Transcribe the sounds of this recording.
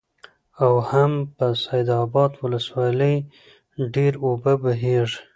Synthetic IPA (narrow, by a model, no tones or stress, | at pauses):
awhampəsajd̪ɑbɑd̪wʊləswɑləj | ɖeɾobəbəɦeʐ